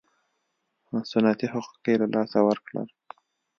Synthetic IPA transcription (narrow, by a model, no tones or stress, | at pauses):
masunɑt̪ihʊqu̥kelalʔɑsawəɾkɽə̰l